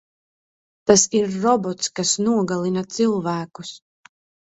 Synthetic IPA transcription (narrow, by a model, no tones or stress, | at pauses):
t̪asiɾːɔbɔt̪skasnuɔɡalˠinat̪silˠvæːkus